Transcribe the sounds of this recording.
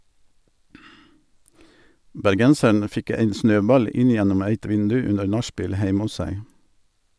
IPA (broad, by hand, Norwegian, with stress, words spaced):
bæɾˈɡɛnsəɳ ˈfɪk ˈæɪn ˈsnøːˌbɑl ˈɪn ˈjɛnɔm ˈæɪt ˈʋɪndʉ ˈʉnəɾ ˈnɑˌʃpiːl ˈhæɪm ˈʊs ˈsæɪ